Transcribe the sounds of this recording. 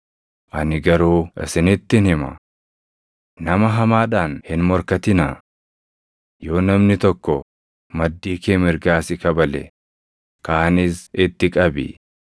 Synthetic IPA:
ʔɐnɪɡɐɾuːɪ̰sɪnɪt̪ːɪnhɪmɐ̰ | nɐmɐɦɐmaːᶑaːnhɪnmɔɾkɐt̪ɪnɐ | jo̞ːnɐmnɪt̪ɔkːɔ | mɐd̪ːiːkeːmɪɾɡaːsɪkɐbɐlɛ̰ | kaːnɪsɪt̪ːɪkʼɐbɪ̰

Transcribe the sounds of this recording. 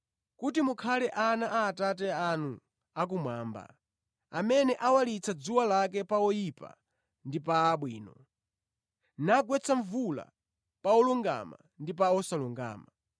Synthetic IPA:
kutimukʰalɛʔanaʔaːtatɛanu | ak̬umwaːmba̰ | amɛnɛʔawalit͡sʰad͡zuwalak̬ɛpaɔjipa̰ | ndipaːɓwiːnɔ | naɡwɛt͡sʰaɱvula̰ | paɔluŋɡa̰ma̰ | ndip̬aɔsaluŋɡa̰ːma

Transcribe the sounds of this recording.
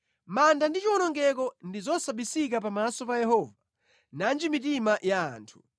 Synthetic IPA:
mandandit͡ʃiɔnɔŋɡɛk̬ɔndizɔsaɓisik̬apamasɔpajɛɦɔva | nand͡ʒimitimaʔjaa̰ːntʰu̥

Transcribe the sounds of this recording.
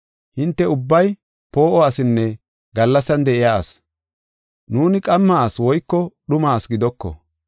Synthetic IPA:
hɪnt̪ːɛʊbːɐj | po̞ːʔɔɐsɪnːɛ | ɡɐlːɐsɐnd̪ɛʔɪjaːs | nuːnɪkʼɐmːaːswɔjkːɔɗʊmaːsɡɪd̪ɔkːɔ̰

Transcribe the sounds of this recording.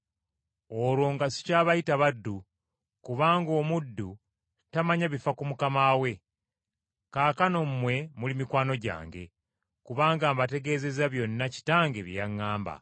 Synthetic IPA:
oɾwo̞ːŋɡasi̥caːβajitaβadːu | kuβaːŋɡo̞ːmudːu | tamaɲaβifakumukamawe̞ | kaːkano̞mmːwe̞mulimikwaːnoɟa̰ːŋɡe̞̰ | kuβaːŋɡaːmbate̞ɡe̞ːze̞zaβjo̞nːaci̥taːŋɡe̞βijaŋːaːmba̰

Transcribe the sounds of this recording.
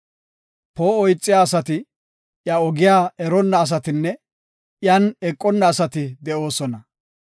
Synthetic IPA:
poːɔjt͡sʼːɪjaːsɐt̪ɪ | ʔjɐɔɡɪjaːɛɾɔnːɐːs̬ɐt̪ɪnːɛ | jɐnɛkʼːɔnːɐːsɐt̪ɪd̪ɛʔo̞ːsɔnɐ

